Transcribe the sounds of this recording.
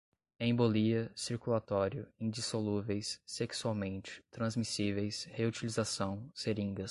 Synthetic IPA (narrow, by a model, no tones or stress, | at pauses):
ẽboliɐsiɾkulat̪ɔɾjʊĩd͡ʒisoluvejsːeksuawmẽnt͡ʃɪ̥t̪ɾɐ̃zmisivejsheut͡ʃilizasɐ̃w̃seɾĩŋɡɐ